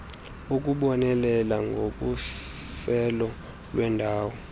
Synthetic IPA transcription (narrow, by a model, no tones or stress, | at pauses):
uk̬ʼuɓɔnɛlɛlaŋɡʱoɓusɛlɔ | lwɛndʱaːwɔ